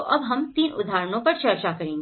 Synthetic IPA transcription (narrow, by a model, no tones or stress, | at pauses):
oʔɐbɦɐmt̪iːnṵd̪ʱaɾɳ̃õpəɽt͡ɕɐɾt͡ɕakəɾĩː